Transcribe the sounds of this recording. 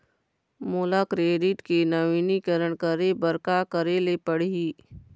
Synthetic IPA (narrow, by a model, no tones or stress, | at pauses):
mʊlakɾeːɖɪʈkenɐʋiːnikəɾəɳ̃kəɾebəɾkakəɾelepəɽ̤iː